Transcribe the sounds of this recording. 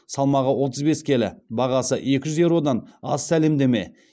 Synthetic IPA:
sɑlˠmɑʁəwo̞t̪əzbe̞skʲʰe̞lɪ̰bɑʁɑsəʔje̞kʲɪʒʏzeɾuwod̪ɑnɑ̰ssæle̞md̪e̞me̞̰

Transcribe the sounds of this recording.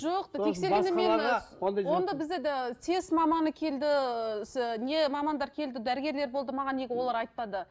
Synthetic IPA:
ʒoqd̪ʰekse̞ɾʲenemmenod̪wo̞nd̪ɑbɪzd̪et̪ʰe̞smɑmɑnəkʲʰe̞ld̪ɪ | ne̞mɑmɑnd̪ɑɾkʲʰe̞ld̪ɪd̪æɾɪɡʲe̞ɾle̞ɾbo̞lˠd̪əmɑʁɑnːe̞ɡʲɪwo̞lˠɑɾɑjt̪̚ːɑd̪ə

